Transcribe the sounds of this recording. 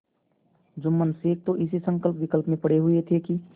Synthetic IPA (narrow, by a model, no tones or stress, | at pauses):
d͡ʒʊmːənseːk̚t̪oʔɪsisə̃ŋkəlpʋɪkəlpmẽpəɽeɦʊet̪ʰeki